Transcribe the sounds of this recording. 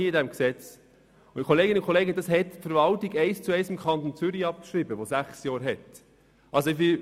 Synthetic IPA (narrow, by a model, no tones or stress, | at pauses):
iɪdɛmksɛt͡s | ʊkʰoleːɡɪnʊkʰoleːɡəd̪ɑshɛtfəɾʋɑltiɡɛɪst͡suɛɪsɪmkʰχɑnt̪ont͡sʏɾiɑp̚kʃɾibəʋosæχsjɑːɾɦɛt | ʔɑlsoɪʋɪ